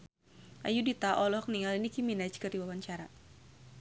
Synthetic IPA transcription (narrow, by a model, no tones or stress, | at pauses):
ʔa̰judit̪aʔɔlɔk̚niŋalinikiminat͡ʃkərdiwawaɲt͡ʃaɾa